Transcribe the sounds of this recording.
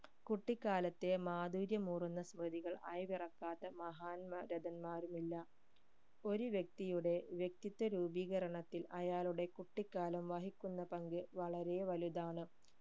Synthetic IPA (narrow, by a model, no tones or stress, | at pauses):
kuʈːikːaːlɐt̪ːe̞maːd̪uːɾjɐmuːrunːɐsmrɐd̪iɣɐɭɐ̰jʋirɐkːaːt̪ːɐmɐɦaːnmɐɾɐd̪ɐnmaːɾumilːɐ | o̞ɾuʋjek̚t̪ijuɽe̞ʋjek̚t̪it̪ːɐɾuːbiːɣɐɾɐɳɐt̪ːilɐjaːluɽe̞kuʈːikːaːlɐmʋɐɦikʲːunːɐpɐŋɡɨʋɐɭɐɾe̞ʋɐlud̪aːɳɨ